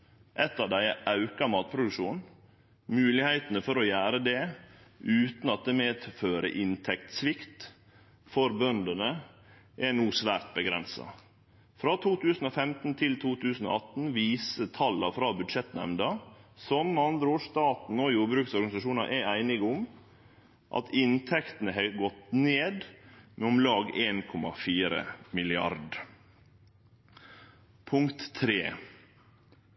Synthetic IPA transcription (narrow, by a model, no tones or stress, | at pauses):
ʔɛt̪ːɑːʋd̪æɪʔɑʉkɑmɑːt̪̚pʰɾʊd̪ʉkʂuːn | mʉːlɪhæɪt̪ənəfɔɾɔjæːɾəd̪ɛ | ʉːt̪n̩ɑt̪̚d̪emeːd̪føːɾə̰ʔɪnt̪ʰɛkt̪sʋɪkt̪ | fɔɾbœnd̪ənə | ʔɛnuːsʋæːɾt̪̚bəɡɾɛnsɑ̰ | fɾɑːt̪ʰuːt̪ʰʉːsn̩oːfɛmt̪n̩t̪ʰɪlt̪ʰuːt̪ʰʉːsn̩o̰ːɑt̪n̩ʋiːsət̪ʰɑlɑfɾɑːbʉd̪ʂɛt̪nɛ̰mnd̪ɑsɔmːəɑnd̪ɾəoːʂt̪ɑːt̪n̩oːjuːɾbɾʉːksɔɾɡɑnɪsɑʂuːnɑ̰ʔɛæɪnɪɡʊm | ʔɑ̰t̪ʰɪnt̪ʰɛkt̪n̩əɦɛɡɔt̪neːd̪mʔɛʊmlɑːɡeːnkʰɔmɑ̰fiːɾə̰mɪlɪɑ̰ɾɖ | pʰʊŋkt̪ʰːɾeː